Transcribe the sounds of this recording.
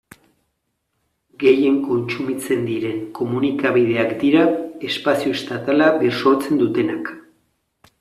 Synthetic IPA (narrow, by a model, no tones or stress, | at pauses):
ɡe̞je̞ŋko̞nt͡ʃumit͡se̞nd̪iɾe̞ŋko̞munikaβið̞e̞akd̪iɾae̞spasioest̪at̪alaβeɾso̞ɾt͡se̞nd̪ut̪e̞nak